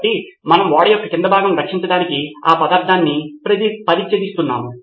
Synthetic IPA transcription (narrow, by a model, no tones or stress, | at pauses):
ʈimɐnɐmʋaːɽɐjɔkːɐkind̪ɐbʱaːɡɐmɾɐkʂiɲt͡ʃɐɖaːnikiaːpɐd̪aːɾt̪ʰaːnːipɾɐipɐɾiːt͡ʃjɐd̪ist̪unːa̰ːmu